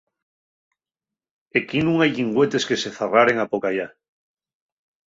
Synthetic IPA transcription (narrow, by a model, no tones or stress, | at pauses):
ekinũŋajʎiŋɡwet̪eskeseθaraɾeŋapokaja